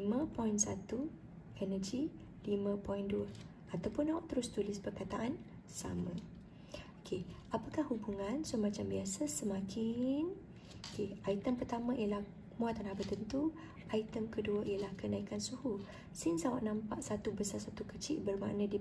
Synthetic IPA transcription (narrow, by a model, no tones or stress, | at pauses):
imə̃pɔinsat̪u | ɛnəd͡ʒi | limə̃pɔinduə | at̪awpʊnːawaʔt̪əɾʊst̪ulɪspərkat̪aʔan | sa̰mə̃ | okʰe | apakahhubuŋãnsumãt͡ʃambiasəsəmãkʰɪn | okeait̪əmpərt̪amə̃ʔijəlah | mũat̪anahbət̪ənt̪u | ait̪əmkəduəʔijəlahkənaikansuhu | sɪnsawaʔnãmpaʔsat̪ubəsasat̪ukət͡ʃɪʔbərma̰ʔnə̃di